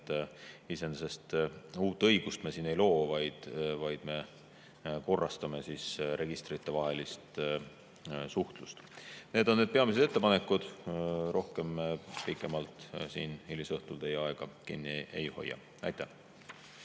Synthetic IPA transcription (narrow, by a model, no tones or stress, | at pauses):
t̪isense̞st̪uːt̪ˑːɤjɡ̥ust̪mesiːne̞jlo̞ːvɑjd̪̥vɑjd̪̥me̞ | ko̞rːɑst̪ɑme̞siːsɾʔe̞ɡist̪rit̪ːevɑɦe̞list̪ | suht̪lust̪ne̞ːd̪oːed̪̚pe̞ɑmis̬e̞d̪e̞t̪ːˑepɑne̞kːˑud̪̥ro̞hke̞mpikːˑe̞mɑlt̪siːnilisɤht̪uld̪e̞jɑeɡ̥ɑkḭnːiḛjho̞̰jːɑ̰ | ɑjt̪ːæh